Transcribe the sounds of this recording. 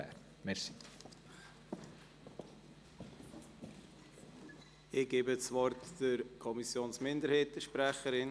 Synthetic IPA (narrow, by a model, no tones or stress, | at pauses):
ɛ̰ːɾ | mɛɾsi̥ | ɪɡ̥eːbəsvɔɾtd̥əɾkʰɔmisjoːnsmɪndəɾheːtəʃpɾæχəɾɪn